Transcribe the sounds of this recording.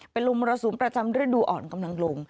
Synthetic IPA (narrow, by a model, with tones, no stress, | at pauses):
pe˧nlo˧ŋbɔː˧ɾa˧suː˩˦npɾa˧t͡ɕa˧mɾɯ˥˩əduː˧ʔɔː˨˩nka˧mla˧ŋlo˧ŋ